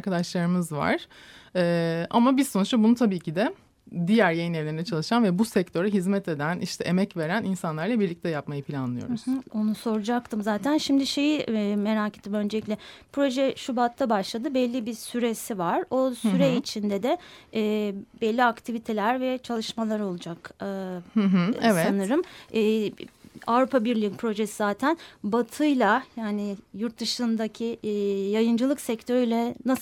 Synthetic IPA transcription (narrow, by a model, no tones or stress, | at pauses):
ɾkʰad̪aʃlˠaɾɯmɯzva̰ɾ̥ɛːa̰mabiɾso̞nut͡ʃt̪abunut̪ʰabiːcʰid̪ɛ | d̪ijæɾjejinevlʲeɾnɛt͡ʃʰalˠɯʃanvɛbusɛc̚t̪ʰø̞ɾɛɦizmɛt̪ʰe̞d̪æniʃt̪ʰɛʔemɛcve̞ɾæninsanlˠaɾlˠabiɾlʲic̚t̪ʰɛjapmajɯpʰilʲanlˠɯjo̞̰ɾzo̞nuso̞ɾud͡ʒakt̪ʰɯmzaːt̪ʰænʃimd̪iʃe̞jime̞ɾaːket̪ːimønd͡ʒelʲiclʲɛpʰɾo̞ʒɛʃubat̪ʰːabaʃlˠad̪ɯbɛlʲːibisyɾesivaɾ̥o̞syɾɛit͡ʃʰind̪ɛd̪ɛː | bɛlʲːiakt̪ʰivit̪ʰe̞lʲæɾvɛt͡ʃʰalˠɯʃmalˠaɾo̞lˠud͡ʒakː | ɦvsanɯɾɯmɛː | avɾupʰabiɾlʲipʰɾo̞ʒesizaːt̪ʰænbat̪ʰɯjlˠajaːnɪjuɾt̪̚d̪ɯʃɯnd̪acʰijajɯnd͡ʒɯlˠɯksɛct̪ʰøɾyjlʲɛnasˠ